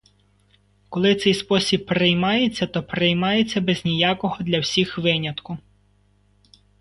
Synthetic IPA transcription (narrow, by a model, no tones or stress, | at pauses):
kɔlˠɪt̪sɛjspɔsʲib̚pɾejmɑjet͡sʲːɐt̪ɔpɾejmɑjet͡sʲːɐbɛznʲijɑkɔɦɔd̪lʲɐwsʲixʋɪnʲɐt̪kʊ